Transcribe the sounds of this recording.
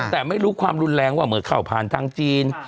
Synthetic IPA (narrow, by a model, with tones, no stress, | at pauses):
t̪ɛː˨˩ma˥˩jɾuː˦˥kʰwaː˧mɾu˧nlɛː˧ŋwaː˥˩mɯː˨˦nkʰaː˥˩wpʰaː˨˧nt̪ʰaː˧˥ŋt͡ɕiː˧n